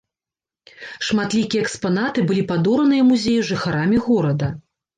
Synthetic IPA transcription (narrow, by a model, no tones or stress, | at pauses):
ʂmat̪lʲikʲijɛkspan̪at̪ɨbɨlʲipad̪ɔɾɐnɨjɐmuzʲejuʐɨxaɾamʲiɣɔɾɐd̪ɐ